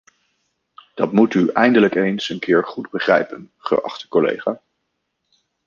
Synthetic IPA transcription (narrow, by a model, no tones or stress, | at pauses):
d̥ɑtmutyɛjndələkejnsənkʰɪːɹχudbəχrɛ̰jpənχə̰ʔɑ̰χtə̥kɔlḛjχaː